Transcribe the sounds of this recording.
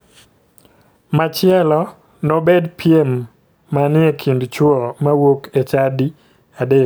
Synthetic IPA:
mat͡ʃɪɛlɔ | nɔbedpʰjemː | anɪekʰindt͡ʃwɔmawoket͡ʃadi | ade

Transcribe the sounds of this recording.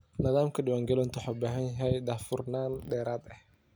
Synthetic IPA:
nɪðaːmkʰɐɖɪwaːŋɡɛlɐnt̪ʰʊħabaːɦɐnjɐɦɛjd̪aːfʊrnaːnɖɛːɾaːd̪ɐh

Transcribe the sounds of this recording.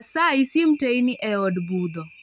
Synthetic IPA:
saisim̩tainiʔɛɔdbud̪ɔ

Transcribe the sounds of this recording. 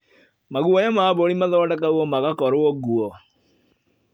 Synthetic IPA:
maɣuɔɲamaːβoɾimaðɔːdak̬auɔmaɣakɔɾoɔɣuɔ

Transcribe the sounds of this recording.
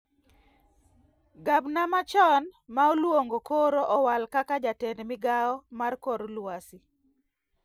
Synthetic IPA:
ɡabnamat͡ʃɔnmaolwoŋɡokoɾoʔɔwalkakad͡ʒatɛndmɪɡaɔmarkoɾlwasi

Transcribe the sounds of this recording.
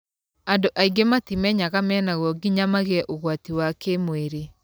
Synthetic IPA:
andoʔaiɡematimɛɲaɣamɛːnaɣɔɡiɲamaɣeɛʔoɣwatiwakemoeɾe

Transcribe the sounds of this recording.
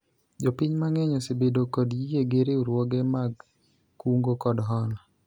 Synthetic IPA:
d͡ʒopɪɲmaŋɛɲɔsebedokɔdjijeɡeɾeuɾwɔɡemaɡ | kuŋɡokɔdɦɔna

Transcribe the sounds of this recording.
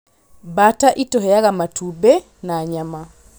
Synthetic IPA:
bataʔitoɦejaɣamatube | naɲama

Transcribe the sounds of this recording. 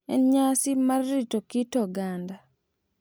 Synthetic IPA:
ɛ̰nɲasɪmarːitokitɔɡanda

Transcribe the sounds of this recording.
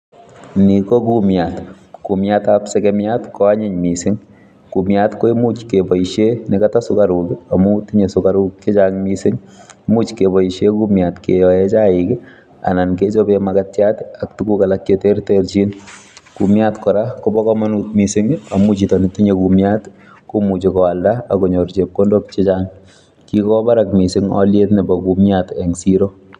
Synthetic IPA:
nikɔkumjat | kumjatapsɛkɛmjatkɔaɲɪɲmisɪŋ | kumjatkɔimut͡ʃkebɔiʃenɪkatasʊkaɾukiamutiɲesʊkaɾukːet͡ʃaŋmisɪŋmut͡ʃkebɔiʃekumjatkejɔjɛt͡ʃaɪkɪ | a̰nanket͡ʃobemakatjatak̚tukukalak̚t͡ʃetertert͡ʃinkumjatkɔɾakɔbɔkɔmanutmisɪŋamut͡ʃitɔnitiɲekumjat | kumut͡ʃikɔaldaːkoɲoɾt͡ʃep̚kondop̚t͡ʃɪt͡ʃaŋ | kikɔbaɾakmisɪŋɔ̰ljetnɪbɔkumjatɛŋsiɾo

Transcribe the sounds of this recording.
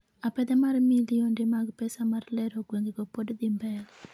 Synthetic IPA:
apɛd̪ɛmarmilijondemaɡpɛsamarlɛɾoɡweŋɡeɡopodd̪imbɛl

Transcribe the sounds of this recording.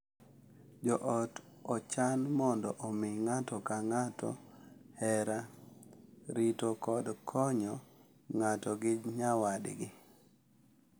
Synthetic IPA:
d͡ʒɔʔɔt | ɔt͡ʃanmɔndɔʔɔmɪŋatɔkaŋatɔ̰hɛɾa | ɾitokɔdkʰɔɲɔ | ŋatɔɡɪd͡ʒɲawadɡɪ

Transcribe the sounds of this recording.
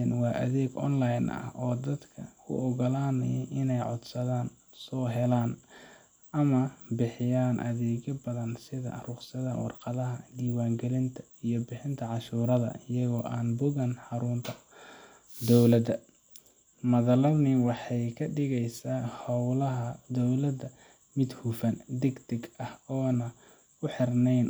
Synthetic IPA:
nwɑːʔɐðɛːɡʔɔ̰nlɐjnɐ̰hʔɔːd̪ɐd̪kʰɐkʰʊ̰ʔɔɣɔlaːnɐjɛʔɪnɛjʕɔ̰d̪sɐðaːn | sɔːɦɛlaːn | ʔɐmɐbɪħɪjaːnʔɐ̰ðɛːɣɐbɐðɐnsɪðɐ̰rʊqsɐðɐ̰wɑ̰rqɑðɐɦɐd̪iːwaːŋɡɛlɪnt̪ʰɐ̥ | ijɞbɪħɪnt̪ʰɐʕɑʃuːɾɐðɐ̰ɪjɐɣɔːʔaːnbʊɣɐnħɑɾʊnt̪ʰɐ̥ | d̪ɔwlɐd̪ɐ | mɐðɐlɐnɪwɑħɑjkʰɐɖɪɣɛjsaːhɑwlɐɦɐd̪ɔwlɐd̪ɐ | mɪd̪hufɐnd̪ɛɡd̪ɛɡɐhɔːnɐ | ʊħɪrnɛjn

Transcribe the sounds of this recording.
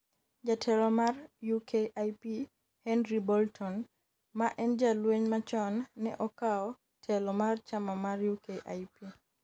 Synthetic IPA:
d͡ʒatʰɛlɔmarjukeʔajpi | hɛnɾibɔltʰɔn | maʔɛnd͡ʒalweɲmat͡ʃɔnːɛ̰ʔɔkaɔ | tʰɛlɔmart͡ʃamamarjukeʔajpi

